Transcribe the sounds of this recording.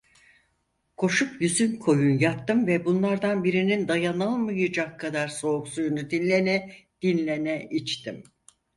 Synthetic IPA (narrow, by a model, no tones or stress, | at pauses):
kʰo̞ʃupjyzynkʰo̞junjap̚t̪ɯmvɛbunlˠaɾd̪anbiɾinind̪ajanɯlˠmɯjɯd͡ʒakʰːad̪aɾso̞ːksujunud̪inlʲenɛd̪̥inlʲenɛʔit͡ʃt̪ʰim